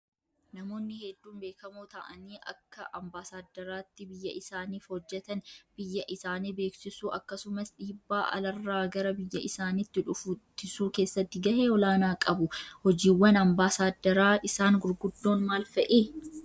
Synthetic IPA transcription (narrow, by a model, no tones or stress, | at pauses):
nɐmo̞ːnːɪhɛd̪ːuːnbeːkɐmoːt̪ɐʔɐniːʔɐkːɐʔɐmbaːsaːd̪ːɐɾaːt̪ːɪbɪjːɐʔɪsaːniːfhɔd͡ʒːɛt̪ɐnb̥ɪjːɐʔɪsaːniːbe̞ːksɪsuːʔɐkːɐsʊmɐsᶑiːbːaːʔɐ̰lɐrːaːɡɐɾɐbɪjːɐʔɪsaːnit̪ːɪᶑʊfʊt̪ːɪsuːke̞ːsːɐt̪ːɪɡɐheːɔlaːnaːkʼɐbʊhɔd͡ʒiːwːɐnɐmbaːsaːd̪ːɐɾaːʔɪsaːnɡʊɾɡʊd̪ːo̞ːnmaːlfɐʔeː